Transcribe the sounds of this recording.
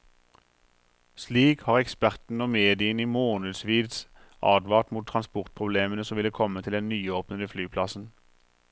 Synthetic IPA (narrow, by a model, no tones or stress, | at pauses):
sliːkhɑːʁɛkspæʁt̪n̩oːmeːd̪ɪəniːmoːnʉd̪sʋiːd̪s | ʔɑ̰ːd̪ʋɑːʁt̪muːt̪ʰʁɑnspʊʁt̪̚pʰʁʊbleːmənəsɔmʋɪləkʰɔmət̪ʰɪlɛnnyːoːpnəd̪əflyːpʰlɑsn̩